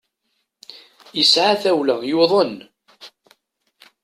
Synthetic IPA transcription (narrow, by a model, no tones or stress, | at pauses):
əsʕaθæwlæjuðˤən